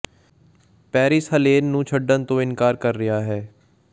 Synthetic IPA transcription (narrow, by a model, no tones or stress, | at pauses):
pɛːɾɪsɦəleːnːũːt͡ʃʰəɖːənt̪õːɪnkaːɾkəɾːɪjaːɦɛː